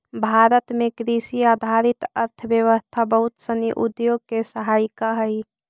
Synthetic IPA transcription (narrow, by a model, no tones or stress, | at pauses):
bʱaːɾət̪mẽkɾisiaːd̪ʱaɾɪt̪əɾt̪ʰəbjəʋəst̪ʰabəɦʊt̪səniʔud̪joɡ̚kesəɦaːɪkaɦəi